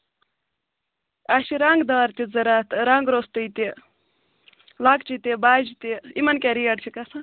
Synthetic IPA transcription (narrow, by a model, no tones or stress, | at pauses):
aʃiɾaŋɡd̪aːɾt̪ʲizɨɾaːt̪ɾaŋɡɾost̪uit̪i | lakt͡ʃit̪ibaːd͡ʒit̪iimɐnkʲeɾijɐʈt͡ʃʰikɐsa